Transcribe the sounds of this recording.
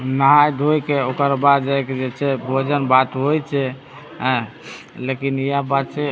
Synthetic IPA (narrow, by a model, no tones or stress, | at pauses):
nəɦajd̪ʱojkeokəɾbad̪d͡ʒajked͡ʒet͡ʃʰɛbʱod͡ʒənbat̪ɦojt͡ʃʰɛ | ɦə̃ | lekinijabad̪t͡ʃʰɛ